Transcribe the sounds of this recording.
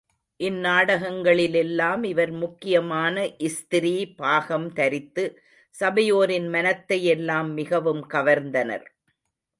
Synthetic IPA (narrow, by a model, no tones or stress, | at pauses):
ʔɪnːaːɽɐɣɐŋɡɐɭɪlɛlːaːmɪʋɐɾmʊkːɪjɐmaːnɐʔɪst̪ɪɾiːpaːɣɐmt̪ɐɾɪt̪ːɯ | sɐbɐjoːɾɪnmɐnɐt̪ːɐjɛlːaːmːɪɣɐʋɯmkɐʋɐɾnd̪ɐnɐ̰ɾ